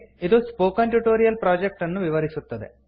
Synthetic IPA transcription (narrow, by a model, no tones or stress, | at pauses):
id̪uspoːkɐnʈuʈoːɾijɐlpɾaːd͡ʒek̚ʈɐnːuʋiʋɐɾisut̪ːɐd̪ḛ